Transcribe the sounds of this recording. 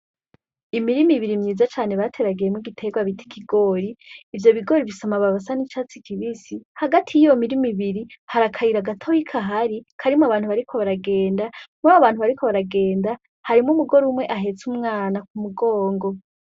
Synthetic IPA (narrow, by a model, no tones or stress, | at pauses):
imiɾimiβiɾimɲiːzat͡ʃaːne̞βatʰe̞ɾaɡijemŋiɡitʰe̞ɡwaβitʰi̥kʰiɡo̞ːɾiːvjo̞βiɡo̞ɾiβisamaβaβas̬anit͡ʃat͡si̥kʰiβisihaɡatʰijijo̞miɾimiβiɾihaɾakʰaiɾaɡatʰojikʰaɦaɾikʰaɾimaβaːn̥huβaɾikʰo̞βaɾaɡe̞ːndamuaβaβaːn̥huβaɾikʰo̞βaɾaɡe̞ːnda | haɾimŋumuɡo̞ɾumwe̞ʔaɦe̞t͡sumŋaːnak̚umuɡo̞ːŋɡo̞